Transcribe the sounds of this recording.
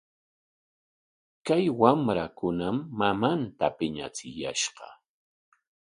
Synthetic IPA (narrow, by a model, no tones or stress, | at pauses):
kajwamɾakʊnamːamant̪apɪɲa̰t͡sɪja̰ʃɢɑ̰